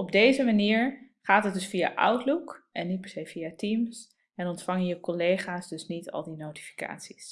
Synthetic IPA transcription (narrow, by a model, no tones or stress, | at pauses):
ɔb̚dejzəmaniːɹ | χaːtɦət̚dʏsfija̰ʔʌ̰wtlukʔɛnːit̚pɛɹ̥sejviatims | ɛnɔntfɑŋənjəkɔlejχaːsdɵsnitɑ̰lˠdinowti̥fi̥ka̰ːtsis